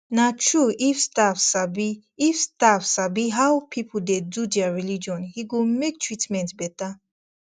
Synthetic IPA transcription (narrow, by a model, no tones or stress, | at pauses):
natʰɹuifstafsabiː | fstafsabiɦaʊwpʰipul̩dedudɛaɹilid͡ʒɔ̃nhiɡomek̚tʰɹitmɛ̃ntbɛta